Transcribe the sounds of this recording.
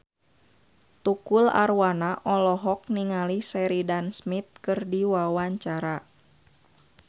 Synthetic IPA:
t̪ukula̰rwanaʔɔlɔɦɔk̚niŋalisɛɾidansmit̪̚kɨrdiwawaɲt͡ʃaɾa

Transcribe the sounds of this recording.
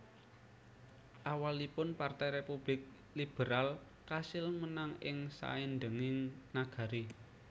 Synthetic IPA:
ʔawalipʊnpart̪ɛjɾepub̥lɪk̚ | lib̥ə̤ɾal | kasɪlmənaŋɪŋsa̰end̪əŋɪŋnaɡ̥a̤ɾi

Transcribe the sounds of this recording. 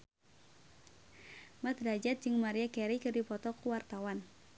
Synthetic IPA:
mat̪dad͡ʒat̪̚d͡ʒɨŋmaɾiakɛɾikɨrdipɔt̪ɔkuwart̪awan

